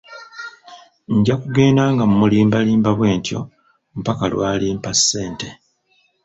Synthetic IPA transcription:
ɲɟakuɡe̞ːndaːŋɡamumuliːmbaliːmbaβwe̞ːntjo̞̰ | mupakalwaːliːmpasːe̞ːnte̞

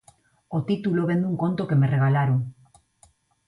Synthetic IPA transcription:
ot̪it̪ulo̞βe̞nd̪uŋko̞nt̪oke̞mere̞ɣalaɾo

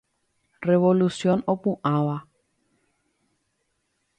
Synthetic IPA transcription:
reβolusjonopũʔawa

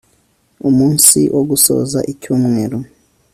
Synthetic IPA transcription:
umuːnsiʔoɡuso̰ːza̰ʔicuːmŋeɾo

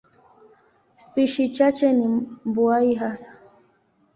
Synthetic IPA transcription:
spiʃit͡ʃat͡ʃɛnimbuaiɦasḁ

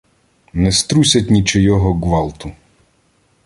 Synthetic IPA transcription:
nɛst̪ɾusʲɐtʲnʲit͡ʃɪjɔɦɔɡʋɑlˠt̪ʊ

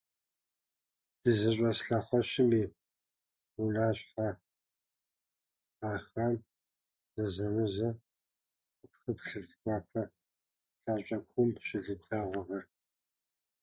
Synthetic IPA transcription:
d̥ɨzɐɕʼɐsɬɐχʷɔɕɪmiː | ʊnaːɕħa | aːxɐm | z̥ɐzɐnɨzɐ | ɐpxɨpɬɨrtkʷʼɑːpʰɐ | ɬaːɕʼɐkʷʰxʊmpɕɪɮɨtʰaːʁʷʊʁɐ

